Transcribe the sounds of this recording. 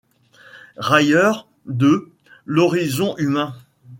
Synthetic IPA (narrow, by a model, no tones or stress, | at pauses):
ʁajœʁ | d̪ə | lɔʁizɔ̃ʔymɛ̃